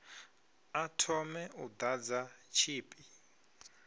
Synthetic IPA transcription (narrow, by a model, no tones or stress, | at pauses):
atʰɔmɛʔud̪ad͡zat͡ʃʰiːpʼi